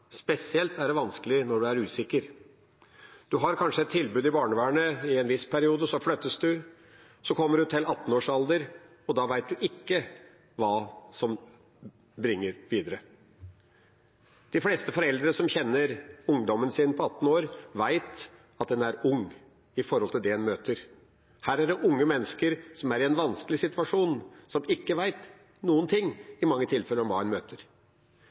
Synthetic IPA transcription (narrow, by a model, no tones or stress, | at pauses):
spɛsɪɛlt̪æɖɛʋɑnskəlɪnɔɖʉæɾʉːsɪkːəɾ | d̪̥ʉɦɑɾkʰɑnʂəɛt̪ʰːɪlbʉːd̪ɪbɑːɳəʋæːɳəɪɛnʋɪspʰæɾɪuːd̪əsɔflœt̪ːəsd̪ʉ | sɔkʰɔmːəɖʉt̪ʰɪlɑt̪ːn̩oːʂɑld̪əɾ | ɔd̪ɑːʋæɪt̪̚d̪ʉʔɪkːə | ʋɑːsɔm | bɾɪŋːəɾʋiːd̪əɾə | d̪̥ɪfleːst̪əfɔɾɛld̪ɾəsɔmçɛnːəɾʊŋd̪ɔmːənsiːnpʰɔɑt̪ːn̩oːɾʋæɪt̪ | ɑt̪̚d̪ɛnæɾʊŋː | ɪfɔɾhɔlt̪ʰɪld̪ɛɛnmøːt̪əɾ | hæːɾæɖɛʔʊŋːəmɛnːəskəɾsɔmæɾɪɛnʋɑnskəlɪsɪt̪ʉɑʂuːnsɔmɪkːəʋæɪt̪ | nuːənt̪ʰɪŋːɪmɑŋːət̪ʰɪlfɛlːəɾɔmʋɑːɛnmøːt̪ʰəɾ